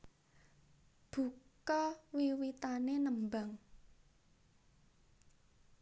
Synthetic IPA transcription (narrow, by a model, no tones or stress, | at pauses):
b̥ṳkɔwiwit̪anenəmbaŋ